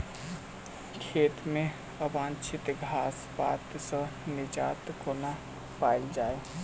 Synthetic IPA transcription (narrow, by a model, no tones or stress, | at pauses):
kʰeːt̪mẽ | əbãːnt͡ʃʰɪt̪ɡʱaːspaːt̪sə̃nɪd͡ʒaːt̪koːna | paːɪld͡ʒaːe